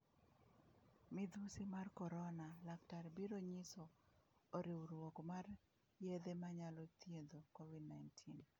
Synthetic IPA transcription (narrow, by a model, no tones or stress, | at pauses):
mɪd̪usimarkɔɾɔnalaktaɾbiɾoɲisɔoɾiwɾwokmar | jed̪emaɲalɔt̪jend̪okovidnajntʰin